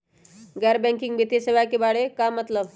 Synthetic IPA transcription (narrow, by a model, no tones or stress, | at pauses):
ɡɛɾbɛ̃ŋkiŋɡbit̪jeseʋakebaɽekamət̪ləb